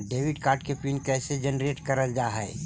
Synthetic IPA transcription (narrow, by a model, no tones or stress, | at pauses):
ɖeːʋɪɖkaːɾʈkepiːnkɛːsed͡ʒənɾeːʈkɐɾəld͡ʒaːɦɛː